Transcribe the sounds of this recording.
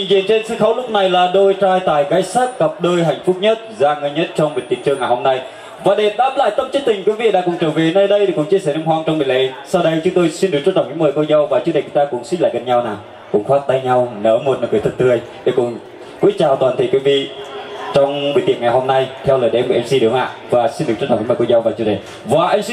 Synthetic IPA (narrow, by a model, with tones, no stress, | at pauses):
t͡ɕi˨ŋzḭ˧˨ənt͡ɕe˧nsɨ̰˧˦˥xa˨˦wlʊ˦˥k͡p̚na˨˩jlaː˨˩ɗo˧jt͡ɕaː˧jt̪a̰ː˨˩jɣaː˨˦jsaː˦˥k̚kə˨˩p̚ɗəː˧jɦa˨˩jŋ̟fʊ˦˥p̚ɲə˦˥t̚zaː˧ŋə˧jɲə˦˥t̚t͡ɕɔ˧wŋ͡mɓə˨˩nt̪i˨˧˩ənt͡ɕɨ˧əŋːa˨˩jho˧mna˧j | vaː˨˩ɗe˨˩ɗaː˦˥p̚la̰ː˧˨jt̪ə˧mt͡ɕt̚t̪ï˨˩ŋ̟kwi˨˦vḭ˧˨ɗa̰ː˧˥kʊ̰˧˩ŋ͡mt͡ɕəː˧˩ve˨˩˦na˧jɗə˧je˨˩kʊ̰˧˥ŋt͡ɕi˧əsɛː˧˩nə˧ɦwaː˧ŋt͡ɕɔ˧ŋ͡mmə˨˩lḛ˧˨˧sa˧wɗə˧jt͡ɕʊ˨˦ŋ͡mt̪o˧jsi˧nɗu˨˩t͡ɕɔ˧˦˥t͡ɕə˧˨˩ŋ͡mɲḭ˧˥məː˨˩jvo˧jzə˧˩wvaː˨˩t͡ɕɨ˧˦˥k̚ɗə˨˩t͡ɕʊ˨˦t̪ːkʊ˧˥ŋswi˦˥la̰ː˧˨jɣə˧˩nɲa˧wnaː˨˩w | kʊ̰˧˥ŋ͡mxwaː˦˥t̚t̪a˧jɲa˧wnəː˨˦mo˨˩t̚nəː˨˩kɨː˨˦t̪ʰə˧nt̪ɨ˧ə˧j | ɗe˨˩kʊ̰˧˥ŋ͡m | kwi˨˦˥ət̚t͡ɕaː˨˩wt̪waː˨˩nt̪ʰə˧˨˩kwi˧˦vḭ˧˨t͡ɕɔ˧wŋ͡mm˨˦t̪i˨˩əŋa˨˩jɦo˧mna˧jt̪ʰɛ˧wləː˨˩ɗʔɛ˧mɓə̰˧˩ʔɛ˧msi˧ɗɨ˨˦ŋa̰ː˧˨vaː˨˩si˧nɨ˨˩t͡ɕɔ̰˦˥˨ŋḭ˨˦mə˨˩ko˧jza˧wvaː˨˩t͡ɕɨ˧˥ɗə˨˩ | vaː˨˩ʔa˧ŋ̟si˧